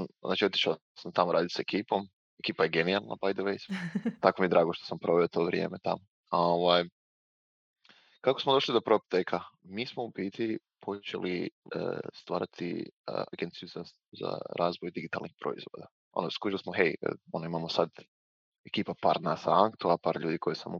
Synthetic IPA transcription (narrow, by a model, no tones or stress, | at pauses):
zaːt͡ʃio̞t̪i̥ʃao | samt̪amoɾaːd̪it̪saekiːpo̞m | ekiːpajeɡenialˠna̰bajd̪oʋejst̪akomijed̪ɾaːɡoʃt̪o̥sampɾo̞ʋeot̪oʋɾjeːmet̪amo | oʋaːj | kako̞smod̪o̞ʃlid̪o̞pɾop̚t̪ekʰamiːsmoupiːt̪i | pʰo̞t͡ʃḛlʔiə̰st̪ʋaːɾat̪ʰḭaɡe̞nt̪sijuza | za̰ɾaːzʋojd̪iɡit̪a̰lnixpɾo̞̰ḭzʋo̞d̪a | o̰noskuilismoɦejə̰o̞noimamosad̪ | e̞kiːpapaːɾd̪nasaaŋkt̪uapaːɾʎuːd̪iko̞jisa̰m